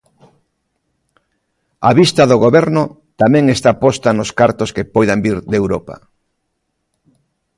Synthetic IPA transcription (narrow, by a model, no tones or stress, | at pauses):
aβist̪aðoɣoβɛɾnʊ | t̪amɛ̃ŋest̪apɔst̪anʊskaɾt̪oskepɔjðambiɾd̪ewɾopa̰